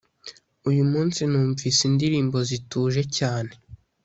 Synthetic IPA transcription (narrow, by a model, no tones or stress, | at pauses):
ujumuːnsinuːɱvisindiɾiːmbo̞zituːʒe̞caːne̞